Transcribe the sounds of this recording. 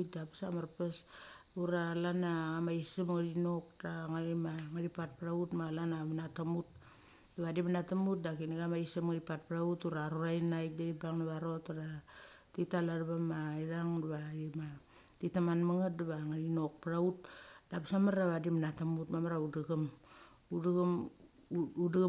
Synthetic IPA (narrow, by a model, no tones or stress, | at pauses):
dapḁsamaɾpesuɾalanaamaisimŋaɾinok̚daŋaɾimaŋaɾipat̚paɾautmalanamanatamut̚ | daβadimanatamut̚dakinaɡamaisimŋaɾipat̚paɾautuɾaɾuɾajnajk̚daɾibaŋnaβaɾotaɾatitalaɾβamaiɾaŋdaβaima | titamanmaŋat̚daβaŋaɾinok̚paɾaut̚d̥apsamaɾaβadimnatamutmamaɾaudaɡam | udaɡam | uda